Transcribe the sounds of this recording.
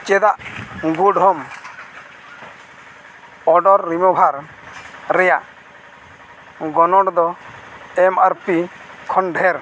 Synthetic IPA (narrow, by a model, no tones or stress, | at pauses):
t͡ʃɛd̪aʔɡuɖɦɔm | ɔɖɔɾːimɔbʱaɾ | ɾɛjaʔ | ɡɔnɔɽd̪ɔ | ɛmaɾpikʰɔnɖʱɛɾ